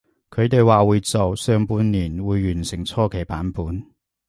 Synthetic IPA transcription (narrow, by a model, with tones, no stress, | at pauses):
kʰɵ˨˧ɥt̪e˨jwaː˨wuː˨˧jt͡so˨wsœː˧ŋpuː˨˥nniː˨˩nwuː˨˧jːyː˨˩nsɪ˨˩ŋt͡sʰɔː˥kʰe˨˩jpaː˨˥npuː˨˥n